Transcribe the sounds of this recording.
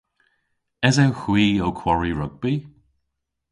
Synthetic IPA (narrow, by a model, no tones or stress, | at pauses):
ɛzɛwxwiːowkʰw̥ɔɹiɹʊɡ̚bi